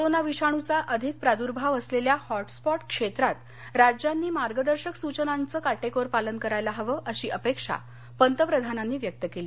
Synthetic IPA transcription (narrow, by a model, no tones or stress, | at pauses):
koɾonaʋiɕaɽ̃ut͡saʔəd̪ʱik̚pɾad̪uɾbʱaʋəsleljahɔʈspɔʈkʂet̪ɾat̪ | ɾad͡ʑjanːiːmaɾɡəd̪əɾɕəksut͡ɕənant͡səːkaʈekoɾpalənkəɾajlaɦəʋəːʔəɕiːʔəpekʂa̰ | pənt̪əpɾəd̪ʱananːiːʋjək̚t̪əkeliː